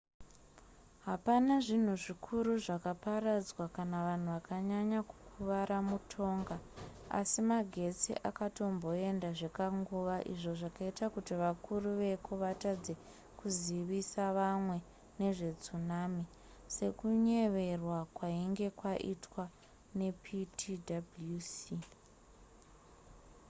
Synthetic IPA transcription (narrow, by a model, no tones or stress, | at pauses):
ɦapanaʐin̤uʐikʰuɾuʐakaparad͡zwakanaʋan̤uʋakaɲaɲakukʰuʋaɾamutʰo̞ŋɡa | a̰simaɡʱe̞t͡sḭʔakato̞mbo̞e̞ndaʐe̞kaŋɡuʋaʔḭʐo̞ʐakaitakutiʋakuruʋe̞koʋatad͡ze | kuziʋisaʋamwe̞ | ne̞ʐe̞d͡zunami | se̞kuɲe̞ʋe̞rwakwaiŋɡe̞kwaʔḭtwa | ne̞pʰitʰidablusi